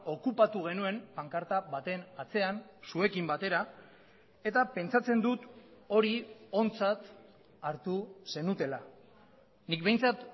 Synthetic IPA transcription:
o̞kupat̪uɣ̞e̞nue̞mpaŋkaɾt̪aβat̪e̞nat͡se̞ansue̞kimbat̪e̞ɾa | e̞t̪ape̞nt͡sat͡se̞nd̪ut̪o̞ɾio̞nt͡sat̪ | aɾt̪use̞nut̪e̞la | nik̚be̞jnt͡sat̪

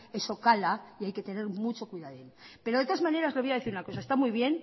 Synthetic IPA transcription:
e̞so̞kalaiajke̞t̪e̞ne̞ɾmut͡ʃo̞kwiðaðenpe̞ɾoðet̪oazmãneɾazleojaðe̞θiɾunako̞saest̪amujβje̞n

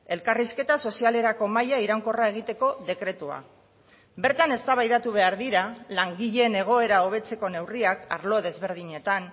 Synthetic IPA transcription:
e̞lkariske̞t̪aso̞siale̞ɾako̞majaiɾawŋko̞rae̞ɣ̞it̪e̞ko̞ðe̞kɾe̞t̪ua̰ | be̞ɾt̪ane̞st̪aβajðat̪uβ̞e̞aɾðiɾalaŋɡiʎe̞ne̞ɣ̞o̞e̞ɾao̞β̞e̞t͡se̞ko̞ne̞wriaka̰ɾlo̞ð̞e̞zβe̞ɾð̞iɲe̞t̪an

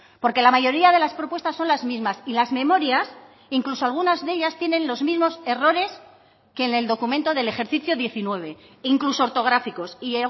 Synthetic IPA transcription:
po̞ɾke̞lamaʝo̞ɾiaðe̞laspɾopwe̞st̪asːo̞nlazmizmasilazmẽ̞mo̞ɾjas | iŋklusoalɣ̞unazðe̞ʎast̪je̞nẽ̞nlo̞zmizmo̞se̞ro̞ɾe̞s | ke̞ːne̞ld̪o̞kumẽ̞nt̪oðe̞le̞xe̞ɾθiθjo̞ðje̞θinwe̞β̞e̞iŋkluso̞ːɾt̪o̞ɣ̞ɾafiko̞si

